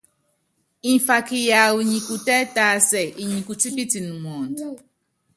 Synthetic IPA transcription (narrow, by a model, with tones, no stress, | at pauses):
ĩ˨fa˨ki˨ja˨wu˨ɲĩ˨ku˨tɛ˦ta˦sɛ˨i˨ɲĩ˨ku˨t͡ʃi˦pi˦ti˨nũ˨mɔ̃˨n˨d